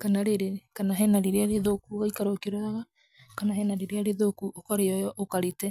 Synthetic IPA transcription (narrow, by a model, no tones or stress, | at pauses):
kanaɾeɾekanaɦɛnaɾeɾeaɾeðokuɣaikaɾokeɾwaaɣa | kanahɛnaɾeɾeaɾeðokuʔokɔɾeɔjɔʔokaɾetɛ